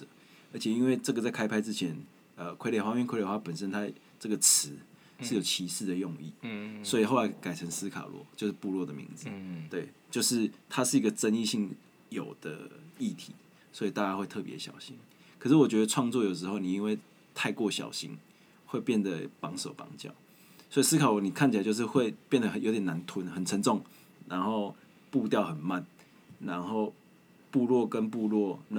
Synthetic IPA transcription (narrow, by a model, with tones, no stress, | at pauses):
ə˞˧˥t͡ɕʰɛ˨i˦˥nwe˥˧ɪʈ͡ʂə˥˩ɡə˩t͡sa˥˩ɪkʰa˥ɪpʰa˥ɪt͡sɻ̩˦˥t͡ɕʰjɛ˧˦n | ə˨˩kʰwe˥ɪle˨˩xwa˥mɛ˥˨kʰle˨˩xwa˥˩pə˨˩nsə˦nt̪ʰa˥ | ʈ͡ʂə˥˩ɡə˩t͡s̩ʰ˧˦ | ʂɻ̩˥˩˨jo˨˩ʊt͡ɕʰi˧˥ʂɻ̩˥˩d̪ə˩jɔ˥˧ŋḭ˥˩swɔ˧˥i˨˩xo˥˩ʊa˧˥ɪka˨˩ɪt͡sʰə˧˥ŋsɹ̩˥kʰa̰˨lwɔ̰˥˨t͡ɕjo˥˧ʊʂɻ̩˥˨pu˥˧lwɔ˥˩d̪ə˩mḭ˧˥ŋd͡z̩˨t̪we˥˩ɪt͡ɕjo˥˧ʊʂɻ̩˥˩t̪ʰa˥ʂɻ̩˥˩i˧˥ɡə˨˩t͡sə˦˥ni˥˧ɕi˥˩ŋ | jo˨˩ʊd̪̥ə̰˦i˥˩t̪ʰi˨˩˦ | swɔ˧˥i˨˩t̪a˥˧t͡ɕa˥xwe˥˧ɪt̪ʰɤ˥˩pjɛ˧˥ɕjɑ̰˨˩ʊɕḭ˦˥ŋ | kʰʂ̬ɻ̩˥˩wɔ˨˩t͡ɕɥɛ˧˥d̪ə˧t͡sʰwɑ˥˧ŋt͡swɔ˥˨jo˨˩ʊʂ̬ɻ̩˧xo˥˩ʊni˨˩i˦nwe˥˧ɪ | t̪ʰa˥˧ɪkwɔ˥˨ɕjɑ̰˨˩ʊɕḭ˦˥n | xwe˥˧ɪpjɛ˥˩nd̪ə˩pɑ˧˥ŋso˨˩ʊpɑ̰˧˥ŋt͡ɕjɑ̰˥˩ʊ | swi˨˩s̩˥kʰɑ˨˩ʊ˨ni˨˩kʰa˥˩nt͡ɕʰi˨a˨˦t͡ɕo˥˧ʊʂ̬ɻ̩˥˧xwe˥˧ɪpjɛ˥˩nd̪ə˨˩ə˨˩jo˧˥t̪jɛ˨˩na˧˦nt̪ʰʊ˧˦nxə˨˩nt͡sʰə˧˥nt͡sɔ˥˨ŋ | na˧˦nxo˥˧ʊ | pu˥˧t̪jɑ˥˨ʊxə˨˩nma˥˨n | na˧˦nxo˥˧ʊ | pu˥˧lwɔ˥˨kə˦npu˥˧lwɔ˥˨na˥